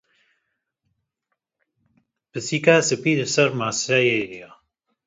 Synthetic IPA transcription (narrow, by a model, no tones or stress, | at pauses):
pɨsiːkaːsɨpiːɾsɐɾmaːsajejɾia